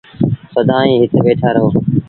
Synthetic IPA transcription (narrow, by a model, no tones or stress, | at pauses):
səd̪ʱãːĩːɦɪt̪eʋeːʈʰaːɾəɦoː